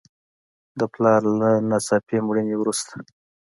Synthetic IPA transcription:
d̪əplɑɾlanasɑpemɽənewɾust̪ḁ

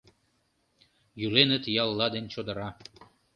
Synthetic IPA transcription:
jylenə̆t̪jɑlˠːɑd̪enʲt͡ɕod̪ə̆ɾɑ

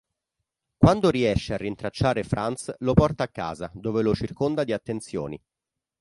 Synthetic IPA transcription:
kwand̪oɾiɛʃːearːint̪ɾat͡ʃːaːɾefɾʔant̪slopɔrt̪aːkːa̰ːzad̪oːvelot͡ʃirkond̪ad̪iat̪ːent̪sjo̰ːnḭ

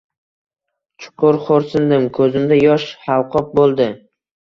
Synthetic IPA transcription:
t͡ʃʰʊ̥qʰʊɾχoɾsɪnd̪ɪmkʰɵzɪmd̪ajɒʃhɑlˠqʰɒp̚bolˠd̪ɪ

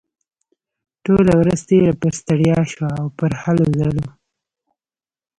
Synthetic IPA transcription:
ʈolawɾəzt̪elapəɾst̪aɽjɑʃwaːwpəɾhalozalo

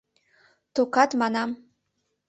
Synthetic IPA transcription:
t̪okɑt̪mɑnɑm

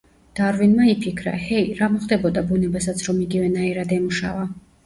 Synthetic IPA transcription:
d̪̥aɾvinmaipʰikʰɾa̰hɛiɾamɔχd̪ɛbɔd̪abunɛbas̬at̪sʰɾɔmiɡivɛnaiɾad̪ɛmuʃa̰va

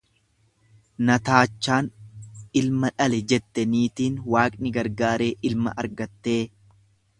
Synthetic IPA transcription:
nɐt̪aːt͡ʃːaːnɪlmɐᶑɐlɛd͡ʒɛt̪ːɛniːt̪iːnwaːkʼnɪɡɐɾɡaːɾe̞ːʔɪlmɐ̰ʔɐɾɡɐt̪ːe̞ː

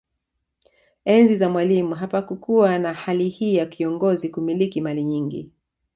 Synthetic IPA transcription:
ɛnzizamwalimuɦapakukuwanahalihiːjakʰiɔŋɡɔzikumilikimaliɲiŋɡḭ

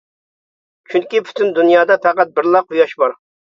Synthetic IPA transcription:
t͡ʃʰyŋkʲipʰy̥t̪ʰynd̪unjɑːd̪ɑpæqæt̪̚bɪɾlˠɑqːujɑʃbɑɾ

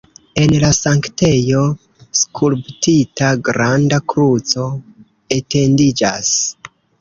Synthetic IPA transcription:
e̞nlasaŋkte̞jo̞ | skʰulptitaɡɾandakɾut͡so̞ | e̞te̞ndid͡ʒas

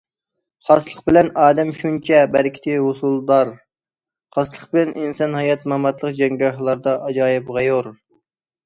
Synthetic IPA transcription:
χɑslˠəqbɪlɛnɑːd̪ɛmʃunt͡ʃʰɛbæɾkʲʰi̥t̪ɪɦusulˠd̪ɑɾ | χɑslˠəqbɪlɛnʔinsɑnhɑjɑt̪mɑmɑt̪lˠəqd͡ʒɛŋɡʲɑɦɨlˠɑɾd̪ɑʔɑd͡ʒɑːjɨpʁɑjoɾ

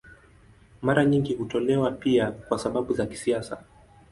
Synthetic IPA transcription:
maɾaɲiŋɡihutɔlɛwapiakwasaɓaɓuzaki̥siasa̰

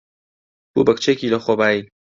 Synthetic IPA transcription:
kṵbɐkt͡ʃeːkiːlɐxobaːji

